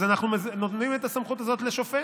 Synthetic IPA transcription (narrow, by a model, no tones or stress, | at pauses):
zanaχnumeznot̪nimet̪asamχutazo̞t̪leʃofe